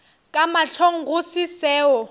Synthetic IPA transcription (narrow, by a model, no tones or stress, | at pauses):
kʼamat͡ɬʰoŋ̩ɣʊsɪsɛːɔ